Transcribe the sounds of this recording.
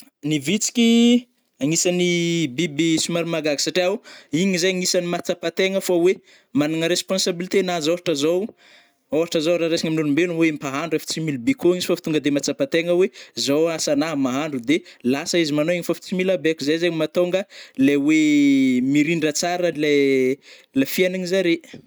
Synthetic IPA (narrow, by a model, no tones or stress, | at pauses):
nivit͡si̥kʲi | aŋisanibibisumaɾimaɡaɡi̥saʈ͡ʂiauiɲizajaŋisanimat͡sapat̪eŋəfawe | manaŋəɾespõnsabilit̪enazoɦaʈ͡ʂəzow | oɦaʈ͡ʂəzowɾaɾesiɲaminulumbeluŋwempaɦaɳɖ͡ʐuefi̥t͡similbikoŋizi̥fafi̥t̪uŋɡəd̪emat͡sapat̪eŋəwezowasanaɦmaɦaɳɖ͡ʐud̪elasəizimanoiɲifafi̥t͡similabekuzajzaɲmat̪oŋɡəlewemiɾiɳɖ͡ʐət͡saɾəle | lafianaɲizaɾe